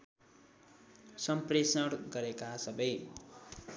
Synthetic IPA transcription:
sʌmpresʌɽɡʌɾekasʌbʌj

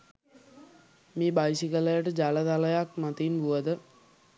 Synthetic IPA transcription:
miːbajsikələjəʈəd͡ʒaləd̪aləjak̚mat̪inbuʋəd̪ə

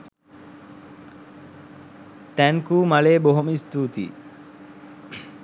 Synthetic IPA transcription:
t̪æŋkuːmaleːboɦuməist̪uːt̪ḭː

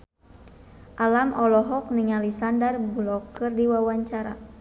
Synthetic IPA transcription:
ʔalamɔlɔɦɔk̚niŋalisandarblɔkɨrdiwawaɲt͡ʃaɾa̰

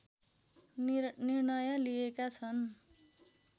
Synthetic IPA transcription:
nirnʌjʌliekat͡sʰʌn

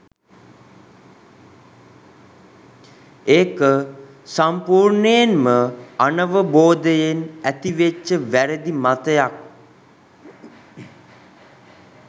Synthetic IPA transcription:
eːkə | sampuːɾɳəjenməanəʋəboːd̪əjenæt̪iʋet͡ʃːəʋæɾəd̪imat̪əjak̚

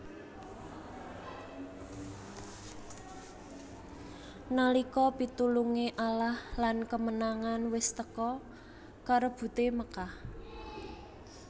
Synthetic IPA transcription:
nalikɔpit̪uluŋeʔalahlankəmənaŋanwɪst̪əkɔ | kaɾob̥ṳt̪eməkah

